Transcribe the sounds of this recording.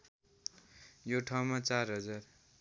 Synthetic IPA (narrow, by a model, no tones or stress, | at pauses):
joʈʰaw̃mat͡sarɦʌd͡zar